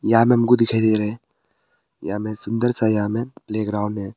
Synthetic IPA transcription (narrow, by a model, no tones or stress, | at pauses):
jaamẽɐmkud̪ɪkʰad̪eɾɛ | jamẽsʊnd̪əɾsajaːmẽpleːɡɾaːwnɦɛ̃